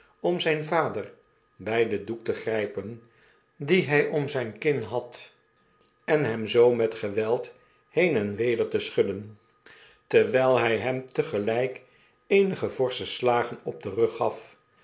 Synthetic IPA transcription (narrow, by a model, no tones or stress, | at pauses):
ɔmzɛjnvaːdəɹ | bɛjdəduk̚təχrɛjpən | diɦɛjʔɔmzɛjnkɪnɦɑt | ɛnɦɛmzowmɛtχəʋɛlˠt | hejnɛnʋejdəɹtəsχɵdən | təɹʋɛjlˠɦɛjɦɛmtəχəlɛjk | ejnəχəvɔɹsəslaːχənɔb̚dərɵχːɑf